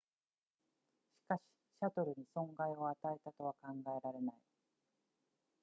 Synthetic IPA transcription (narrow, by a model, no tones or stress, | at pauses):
ɕi̥kaɕi̥ɕat̪o̞ɾɯ̟ɲ̟isõ̞ŋɡaio̞at̪ae̞t̪at̪o̞β̞akãŋɡae̞ɾaɾe̞nai